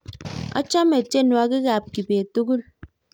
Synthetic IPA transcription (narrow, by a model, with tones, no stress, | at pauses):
ɔ̰˦t͡ʃa˦me˨te˦nu˨a˦ki˦ɣa˨p̚ki˨be˨tu˦ɡu˦l